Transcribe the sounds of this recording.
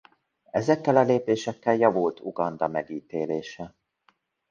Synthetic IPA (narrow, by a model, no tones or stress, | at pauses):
ɛzɛkːɛlɒleːpeːʃɛkːɛljɒvult̪uɡɒnd̪ɒmɛɡiːt̪eːleːʃɛ